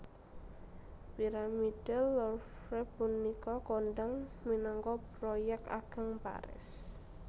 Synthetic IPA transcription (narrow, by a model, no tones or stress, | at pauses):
piɾamiɖ̥ɛlːɔrfɾɛpunːikɔkonɖaŋminɔŋkɔpɾɔjɛk̪̚a̰ɡ̥əŋpa̰ɾɪ̰s